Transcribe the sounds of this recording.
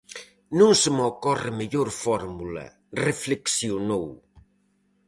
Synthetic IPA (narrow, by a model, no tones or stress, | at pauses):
nũŋsɪmokɔrɪmeʎoɾfɔɾmulɐ̰ | refleksjonow